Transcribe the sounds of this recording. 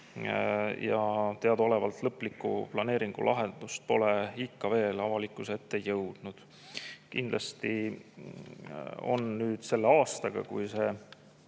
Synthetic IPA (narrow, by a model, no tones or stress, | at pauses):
jɑt̪eɑd̪o̞le̞vɑlt̪lɤpːˑlikːṵplɑneːɾiŋɡ̥ṵlʔɑɦend̪̥ust̪̚po̞le̞ikːɑve̞ːlɑvɑlikːˑuset̪ːe̞jɤwd̪̥nud̪̥ | kind̪̥lɑst̪i | o̞̰nnyːd̪̥se̞lːe̞ɑːst̪ɑɡ̥ɑ̰kujse̞ː